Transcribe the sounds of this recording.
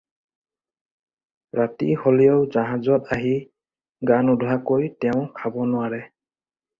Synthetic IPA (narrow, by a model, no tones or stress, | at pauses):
ɹatḭholijowzaɦãzɔtaɦi | ɡanudʱwakojtɛʊ̃kʰabɔnʊwaɹɛ